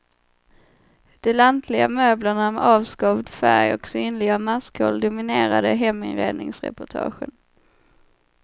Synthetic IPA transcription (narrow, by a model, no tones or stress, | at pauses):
d̪̥ɛlant̪ʰlɪɡa̰møːblaɳamɛʔɑːvskɑvd̪fæɾjɔksyːnlɪɡamaskʰɔ̰ld̪ʊmɪneːɾad̪əɦɛmːɪnɾḛːd̪nɪŋsɾɛ̰pʊʈʰɑ̰ːɧə̰n